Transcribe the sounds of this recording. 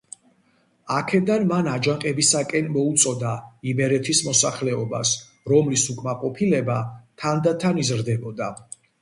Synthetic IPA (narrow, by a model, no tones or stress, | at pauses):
akʰɛd̪anmanad͡ʒaŋqʼɛbisakʼɛnmɔut̪sʼɔd̪aimɛɾɛt̪ʰismɔsaχlɛɔba̰s | ɾɔmlisukʼmaqʼɔpʰilɛbat̪ʰand̪at̪ʰanizɾd̪ɛbɔd̪a